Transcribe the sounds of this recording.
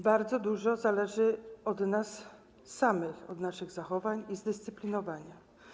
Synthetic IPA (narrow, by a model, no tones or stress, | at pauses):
baɾd̪zɔd̪uʐɔzalɛʐɘɔd̪nasː | amɘxɔ̰d̪naʂɘɣzaxɔvaɲizd̪ɘst̪sɘplʲinɔvaɲa